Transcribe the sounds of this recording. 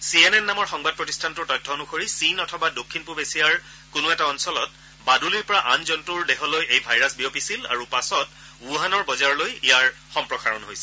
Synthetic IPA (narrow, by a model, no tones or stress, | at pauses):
sienɛnːamɔɹxɔŋbad̚pɹɔtistʰantʊɹtɔjtʰːɔonuxoɹisinɔtʰɔbadokʰːinpuɹbesijaɹ | kʊnʊɛtaɔnsɔlɔt̚ | baduliɹpɔɹaʔanzɔntuɹdexɔlojejbʱajɹasbiopisila̰ɹupasɔt | uɦanɔɹbɔzaɹlojijaɹxɔmpɹɔxaɹɔnɦojsɛ̥